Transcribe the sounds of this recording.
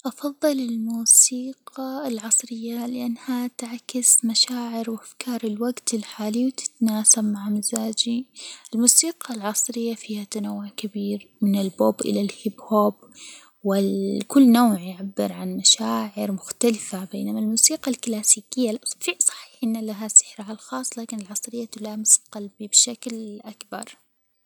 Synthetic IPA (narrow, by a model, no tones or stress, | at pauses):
ʔɑfɑðˤːɨlɪlmuːsiːqɑlʕɑsˤɾɪjːalɪʔanːhat̪aʕkɪsmaʃaːʕɪɾwʔafkɑːɾˤɪlwaɡt̪ɪlħaːlijwt̪ɪ̥t̪naːsabmaʕmazaːd͡ʒiʔɪlmuːsiːqʰɑlʕɑsˤɾɪjːafiːhat̪anawːʊʕkabiːɾmɪnɪlboːbʔɪ̰lalhɪbhoːb | wɪkʊlːnowːʕjʕabːɪɾʕanmaʃaːʕɪɾmʊxt̪alɪfabḛːnamalmuːsiːqalklaːsiːkɪjːafiːsˤɑ̥ħi̥ːħʔɪnːalaɦasɪ̥ħɾahalxɑːsˤːlaːkɪnɪlʕɑsˤɾɪjːat̪ʊlaːmɪsqalbibɪʃaklʔakbɑ̰ɾˤ